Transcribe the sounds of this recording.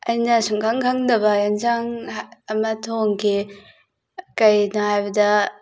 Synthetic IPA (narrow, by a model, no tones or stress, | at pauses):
ɐjnɐsuŋkʰaŋkʰaŋdɐbɐjanzaŋɐmɐtʰoŋkʰi | kɐjnɐɦajbɐdɐ